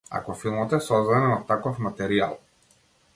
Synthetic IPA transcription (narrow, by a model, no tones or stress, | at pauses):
a̰kɔfilˠmɔt̪ɛsɔzd̪anɛnat̪akɔfmat̪ɛɾia̰lˠ